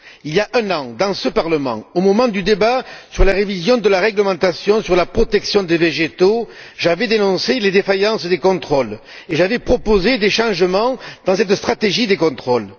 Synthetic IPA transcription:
iljaʔɛ̃nɑ̃d̪ɑ̃səpaʁləmɑ̰̃omɔmɑ̃d̪yd̪ebasyʁlaʁevizjɔ̃d̪əlaʁɛɡləmɑ̃t̪asjɔ̃syʁlapχɔt̪ɛksjɔ̃d̪eveʒet̪o | ʒavɛd̪enɔ̃seled̪efajɑ̃sd̪ekɔ̃t̪χɔl | eʒavɛpχɔpozed̪eʃɑ̃ʒəmɑ̃d̪̥ɑ̃sɛt̪st̪χat̪eʒid̪ekɔ̃t̪χɔl

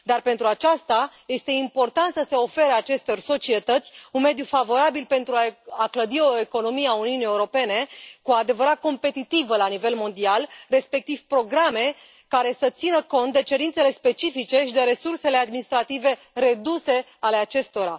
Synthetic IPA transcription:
d̪arpe̞nt̪ɾuat͡ʃast̪aje̞st̪e̞impo̞rt̪ant̪səse̞o̞feɾəat͡ʃe̞st̪o̞rʲso̞t͡ʃie̞t̪ət̪sʲunme̞d̪jufavo̞ɾabilpe̞nt̪ɾuaakləd̪io̞e̞ko̞no̞mieauniunie̞uɾo̞pe̞ne̞kuad̪e̞vəɾat̪̚ko̞mpe̞t̪it̪ivəlanive̞lmo̞nd̪ialre̞spe̞k̚t̪iv̥pɾo̞ɡɾame̞ | kaɾe̞sət̪sinəko̞nt̪̚d̪e̞t͡ʃe̞ɾint̪se̞le̞spe̞t͡ʃifit͡ʃe̞ʃid̪e̞ɾe̞surse̞lead̪minist̪ɾat̪ive̞ | re̞d̪use̞ | ale̞at͡ʃe̞st̪o̞ɾa

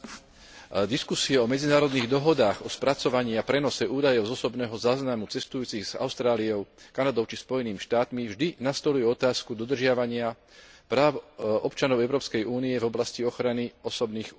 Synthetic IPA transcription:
d̪iskusiɛɔmɛd͡zinaːɾɔd̪niːɣd̪ɔɦɔd̪aːɣɔspɾat͡sɔʋaɲiapɾɛnɔsɛʔuːd̪ajɔʊzɔsɔbnɛːɦɔzaːznamut͡sɛst̪ujuːt͡siɣz̥a̰ʊst̪ɾaːliɔʊkanad̪ɔʊt͡ʃispɔjɛniːmiʃt̪aːt̪mivʒd̪inast̪ɔlujɛɔt̪aːskud̪ɔd̪r̩ʒɪaʋaɲɪa | pɾaːʊɔpt͡ʃanɔʊɛʊɾɔːpskɛjuːniɛvɔblasciɔxɾaniɔsɔbniːx

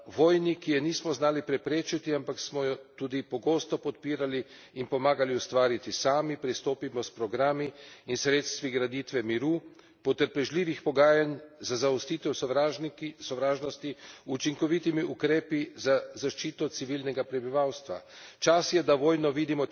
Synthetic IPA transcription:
ʋɔːjnikijɛniːsmɔznaːlipɾɛpɾeːt͡ʃit̪iampaksmɔjɔt̪uːd̪ipɔɡoːst̪ɔpɔt̪piːɾaliː | npɔmaːɡaliust̪ʋaːɾit̪isaːmipɾist̪oːpimɔspɾɔɡɾaːmiːnsɾeːt̪st̪ʋiɡɾad̪iːt̪ʋɛmiɾuː | pɔt̪əɾpɛʒliːʋixpɔɡaːjanzazaɔst̪iːt̪ɛwasɔʋɾaːʒnɔst̪iut͡ʃiŋkɔʋit̪imiʔukɾeːpizazaʃt͡ʃiːt̪ɔt̪siʋiːlnɛɡapɾɛbiʋawst̪ʋa̰ | t͡ʃasjɛd̪aʋoːjnɔʋiːd̪imɔ

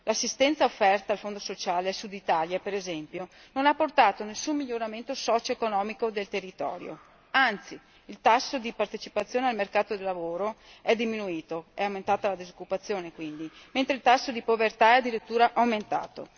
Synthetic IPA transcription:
lasːist̪ɛnt̪saofːɛrt̪aːlfond̪osot͡ʃaːlesud̪it̪aːljapeɾezɛmpjo | nonapːort̪aːt̪onesːumːiʎːoɾament̪osɔːt͡ʃoekonɔːmikod̪elt̪erːit̪ɔ̰ːɾjo̰ | ant̪siː | lt̪asːod̪ipart̪et͡ʃipat̪sːjoːnealmerkaːt̪od̪elːavoːɾoɛd̪ːiminuiːt̪oɛawment̪aːt̪alad̪izokːupat̪sːjoːnekwind̪iment̪ɾeilt̪asːod̪ipovert̪aɛad̪ːiɾit̪ːuːɾaʔawment̪a̰ːt̪o̰

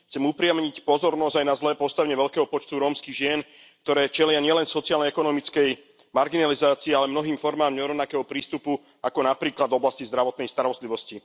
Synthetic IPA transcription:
xt͡sɛmupɾɪamɲicpɔzɔɾnɔzɟajnazlɛːpɔst̪aʋɛɲɛʋɛʎkɛːɦɔpɔt͡ʃt̪uɾɔːmskiɣʒɪɛn | k̚t̪ɔɾɛːt͡ʃɛlɪaɲɪɛlɛnsɔt͡sɪaːlnɛɛkɔnɔmit͡skɛj | maɾɡinalizaːt͡siːalɛmnɔɦiːmfɔɾmaːmɲɔɾɔʊnakɛːɦɔpɾiːst̪upu | akɔnapɾiːklad̪vɔblascizd̪ɾaʋɔt̪nɛjst̪aɾɔst̪liʋɔsci

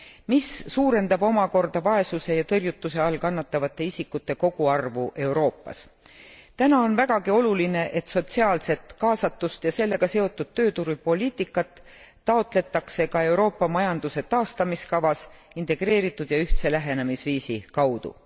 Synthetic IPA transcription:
misːuːɾe̞nd̪̥ɑbo̞mɑko̞rd̪ɑvɑe̞suse̞jɑt̪ɤrjut̪ːuse̞ɑlkɑnːɑt̪ːɑvɑt̪ːˑe̞isikːut̪ːe̞ko̞ɡ̥uɑrvuʔe̞wɾo̞ːpːˑɑ̰s | t̪ænɑo̞nvæɡ̥ɑɡio̞luline̞ʔe̞t̪so̞t̪siɑːlse̞t̪kɑːsɑt̪ːˑust̪jɑse̞lːe̞ɡ̥ɑse̞o̞t̪ːˑud̪̥̚t̪ːøːt̪uɾupo̞liːt̪ːˑikːˑɑt̪ː | ɑo̞t̪ˑle̞t̪ːˑɑkse̞kɑe̞wɾo̞ːpːɑmɑjɑnd̪̥use̞t̪ɑːst̪ɑmiskɑvɑsint̪e̞ɡ̥ɾe̞ːɾit̪ːˑud̪̥jɑyht̪se̞læɦe̞nemisviːsikɑwd̪̥ṵ

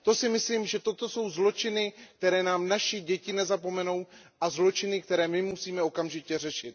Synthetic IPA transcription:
t̪o̞sɪmɪsliːmʒɛt̪o̞t̪o̞so̞wzlo̞t͡ʃɪnɪk̚t̪ɛɾɛːnaːmnaʃɪɟɛcɪnɛzap̬o̞mɛno̞w | ʔazlo̞t͡ʃɪnɪk̚t̪ɛɾɛːmɪmusiːmɛo̞kamʒɪcɛr̝ɛʃɪt̪

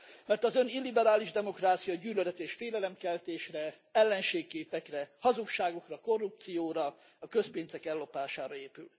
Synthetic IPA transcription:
mɛrt̪ɒzønilːibɛɾaːliʒd̪ɛmo̞kraːt̪sijɒɟyːlølɛt̪eːʃfeːlɛlɛmkɛlt̪eːʃrɛ | ɛlːɛnʃeːkːeːpɛkrɛhɒzukʃaːɡo̞krɒko̞rːup̚t̪sijoːɾɒ | ɒkø̞speːnzɛkɛlːo̞paːʃaːɾɒeːpyl

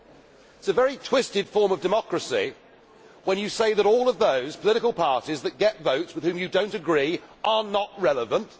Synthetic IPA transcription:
ɪtsəvɛɹitʰw̥ɪstɨd̥fɔɹmʌvdɨmɑkɹəsḭ | wə̃njɨseɪðəɾɔlˠəvðəʊz̥pʰəlɪɾɨkəlˠpʰɑɹɾizðɨt̚ɡ̥ɛtvəʊtswɨð̥hʉ̃mjɨdõʊ̃ntɨɡɹiːʔə˞nəʔɹɛlˠəvə̃nt

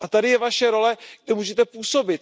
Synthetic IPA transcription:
ʔat̪adɪjɛvaʃɛɾo̞lɛɡ̚dɛmuːʒɛt̪ɛpuːso̞bɪt̪

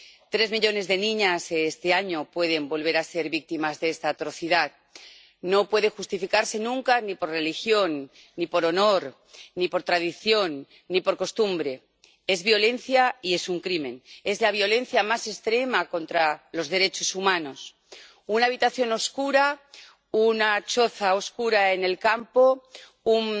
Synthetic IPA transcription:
t̪ɾe̞zmiʎo̞ne̞zðe̞nĩɲaseest̪eaɲo̞pwe̞ð̞e̞mbo̞lβ̞e̞ɾase̞ɾβik̚t̪imazðeest̪aːt̪ɾo̞θiðað | no̞pwe̞ðe̞xust̪ifikaɾse̞nũŋkanipo̞ɾre̞lixjo̞nː | ipo̞ɾo̞no̞ɾː | ipo̞ɾt̪ɾað̞iθjo̞nː | ipo̞ɾko̞st̪umbɾe̞ | e̞zβjo̞le̞n̟θjaie̞suŋkɾimẽ̞ne̞zlaβ̞jo̞le̞n̟θjamase̞st̪ɾe̞makõ̞nt̪ɾalo̞zðe̞ɾe̞t͡ʃo̞sumãno̞s | unaːβit̪aθjo̞no̞skuɾa | unat͡ʃo̞θaoskuɾae̞ne̞lkampo̞ | un

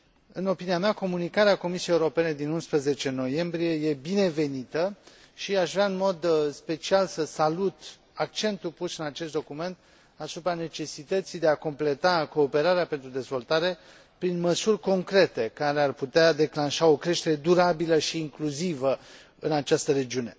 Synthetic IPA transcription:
ɨno̞piniameako̞munikaɾeako̞misiejeuɾo̞pe̞ne̞d̪inunspɾəze̞t͡ʃe̞no̞je̞mbɾije̞je̞bine̞ve̞nit̪ə | ʃiaʃvɾaɨnmo̞d̪spe̞t͡ʃialsəsalut̪ | ak̚t͡ʃe̞nt̪upusɨnat͡ʃest̪̚d̪okume̞nt̪ | asupɾane̞t͡ʃe̞sit̪ət̪sijd̪e̞ako̞mple̞t̪ako̞ːpe̞ɾaɾeape̞nt̪ɾud̪e̞zvo̞lt̪aɾe̞ | pɾinməsurʲko̞ŋkɾe̞t̪e̞kaɾe̞arput̪ead̪e̞klanʃao̞kɾe̞ʃt̪e̞ɾe̞d̪uɾabiləʃiːŋkluzivə | ɨnat͡ʃast̪əɾe̞d͡ʒiune̞

